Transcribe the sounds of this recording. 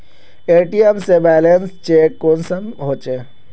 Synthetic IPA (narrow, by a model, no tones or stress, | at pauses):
eːʈiemsebɛːlenst͡ʃeːkːoːnsəmɦoːt͡ʃe